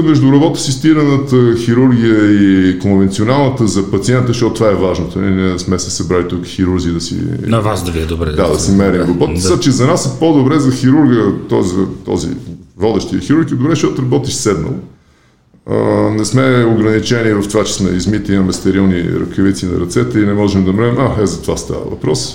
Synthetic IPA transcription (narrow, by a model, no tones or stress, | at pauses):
mɛʒd̪ʊɾɐbɔt̪əsist̪iɾənət̪əxiɾuɾɡ̟ʲijəikonvɛnt̪sionalˠnət̪əzɐpɐt̪siɛnt̪əʃtɔt̪ot̪ovaɛvaʒnot̪onḭnɛnɛsmɛsɛ̥sɐbɾalit̪ukxiɾuɾɡiəd̪ɐsḭnɐvasd̪ɐviɛd̪obɾɛd̪ad̪ɐsɛmɛɾimɡobɔt̪at͡ʃɛzɐnasɛpod̪obɾɛzɐxiɾuɾɡət̪ɔzɐt̪ɔ̰zḭvɔd̪ɛʃt̪iəxiɾuɾɡid̪obɾɛʃt̪ɔt̪ʊɾɐbɔt̪iʃsɛd̪nə̰lˠo | ə̰nɛsmɛoɡɾɐnit͡ʃɛnivəft̪ovat͡ʃɛ̥smɛ̰izmit̪imɐmɛst̪ɛɾilˠnḭɾə̰kəvit̪sinɐ̰ɾɐt̪sɛt̪əinɛmɔʒɛmd̪ɐmɾavimaɛzɐt̪ovast̪a̰və̰vɐ̰pɾɔs